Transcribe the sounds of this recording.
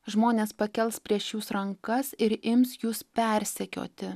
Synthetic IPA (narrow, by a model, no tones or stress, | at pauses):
ʒmoːnʲeːspɐkʲɛlˠspʲɾʲiɛʃjuːsɾɐŋkɐsɪɾɪmsjuːspʲɛɾʲsʲɛkʲo̰ːt̪ʲɪ